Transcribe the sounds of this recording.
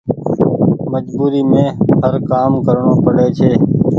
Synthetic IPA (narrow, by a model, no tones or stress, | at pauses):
məd͡ʒbuːɾiːmẽːhəɾkaːmkəɾɳõːpəɽeːt͡ʃʰeː